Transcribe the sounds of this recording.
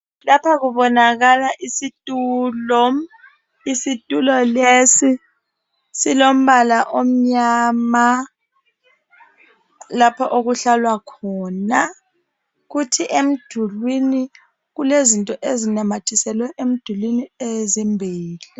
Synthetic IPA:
lapʰaɣuɓɔnaɣ̬alaʔisitʼulɔ | isitʼulɔlesi | silom̩ɓalaʔom̩ɲaːma | lapʰɔʔoɣuɬalwakʰɔːna | ɣutʰiʔem̩d̥ʱulwini | ɣulezintʼɔʔezinamatʰisɛlwɛʔem̩d̥ʱulwiniezimbʱiːli

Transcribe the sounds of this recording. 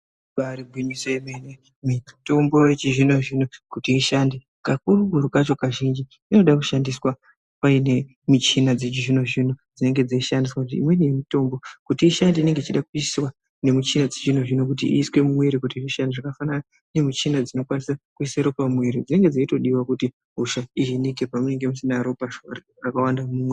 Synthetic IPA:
paɾibʱiɲisoemene | mito̞mbojet͡ʃiʐinoʐinokutiːʃandi | kak̚urukurukat͡ʃo̞kaʒind͡ʒi | ino̞ɗakuʃandiswa | paine̞ | mit͡ʃinad͡zet͡ʃiʐinoʐinod͡zine̞ŋɡe̞d͡zaiʃandiswakutḭḭmwe̞nije̞mito̞mbo̞kutiːʃandiiːne̞ŋɡeit͡ʃiɗakuiswa | ne̞mit͡ʃinad͡zet͡ʃinoʐinok̬ut̬ḭʔḭːswe̞mumweɾikutiʐiʃandiʐakafanana | ne̞mit͡ʃinad͡zino̞kwanisakuiseɾopamweɾid͡zine̞ŋɡe̞d͡zaito̞ɗiwakuti | ɦuʃaiɦinikepamune̞ŋɡe̞musinaɾopaʃo̰ri | akawandamuːmwe

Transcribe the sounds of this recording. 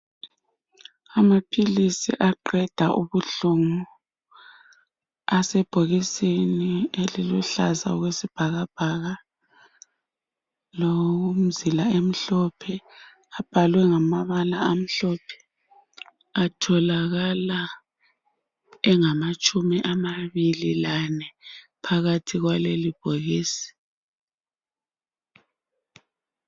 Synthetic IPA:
amapʰilisḭʔaǃɛd̥ʱaʔuβuɬuŋu | asɛb̥ʱoɣisinieliluɬaza̰ɔɣwesib̥ʱaɣab̥ʱaɣa | loum̩zilaem̩ɬɔpʰɛ | ab̥ʱalwɛŋamaβalaam̩ɬɔpʰɛ̥ | atʰɔlaɣala | ɛŋamat͡ʃʼumiʔamaβililanɛ | pʰaɣatʰiɣwalelib̥ʱoɣiːsi̥

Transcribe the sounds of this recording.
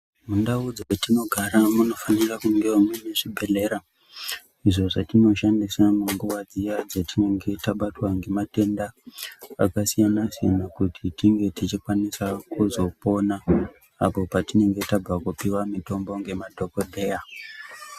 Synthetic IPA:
mundaud͡zaketino̞ɡʱaɾamuno̞fanirakuŋɡemwene̞ʐibʱe̞le̞ɾa | iʐo̞ʐatino̞ʃandisamuŋɡuʋad͡zijad͡zatine̞ŋɡe̞taɓatwaŋɡe̞mate̞ndaː | kasijanasijanakutʰitiŋɡe̞tit͡ʃikwanisakuzo̞po̞naː | po̞patine̞ŋɡe̞tab͡vakupiwamito̞mbo̞ŋɡe̞madʱo̞kodʱe̞ja

